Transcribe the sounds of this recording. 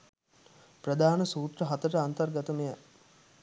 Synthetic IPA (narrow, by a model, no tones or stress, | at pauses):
prəd̪aːnəsuːt̪rəɦat̪əʈəant̪ɐrɡɐt̪əmeja